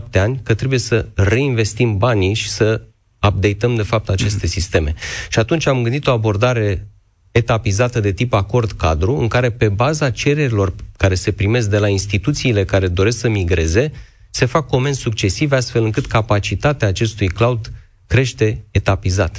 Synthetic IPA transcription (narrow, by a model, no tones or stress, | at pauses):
p̚t̪e̞anʲkət̪ɾe̞buje̞səre̞inve̞st̪imbaniʃi̥sə | ap̚d̪e̞jt̪əmd̪e̞fap̚t̪at͡ʃe̞st̪e̞sist̪e̞me̞ʃiat̪unt͡ʃʲamɡɨnd̪it̪o̞abo̞rd̪aɾe̞ | et̪apizat̪əd̪e̞t̪ipako̞rd̪kad̪ɾuɨŋkaɾe̞pe̞bazat͡ʃe̞ɾe̞ɾilo̞rkaɾe̞se̞pɾime̞s̬k̚d̪e̞lainst̪it̪ut̪siːle̞kaɾe̞d̪o̞ɾe̞sksəmiɡɾe̞ze̞ | se̞fakːo̞me̞nssuk̚t͡ʃe̞sivast̪fe̞lɨŋkɨt̪kapat͡ʃit̪at̪eaːt͡ʃe̞st̪ujklaud̪ | kɾe̞ʃt̪e̞ːt̪apizat̪